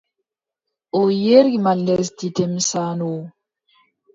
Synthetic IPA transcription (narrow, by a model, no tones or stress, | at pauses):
ojeɾɡimalːɛstitɛmsano